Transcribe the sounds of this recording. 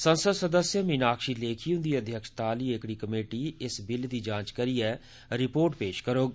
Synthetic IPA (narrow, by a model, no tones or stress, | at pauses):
sənsəd̪səd̪əsjəminaːkʃiːleːkʰiːɦʊ̃nd̪iːəd̪ʱjəkʃt̪aːliːeːkɽiːkəmeːʈiːɪsbɪld̪iːd͡ʒãːt͡ʃkəɾiːɛː | ɾɪpoːɾʈpeːʃkəɾoːɡ